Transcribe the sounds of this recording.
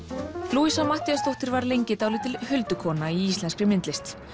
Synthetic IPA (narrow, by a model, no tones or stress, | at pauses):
luːisamaht̪iast̪owht̪ɪɾvaɾlejɲcɪt̪awlɪt̪ʰɪlhʏlt̪ʏkʰɔːnaiist̪ɛnskɾɪmɪnt̪lɪst̪s